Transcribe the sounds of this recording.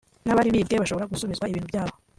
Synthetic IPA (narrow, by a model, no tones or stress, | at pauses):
naβaɾiβiːbɡeβaʃo̞βo̞ɾaɡusuβizɡwaiβiːn̥huvjaːβo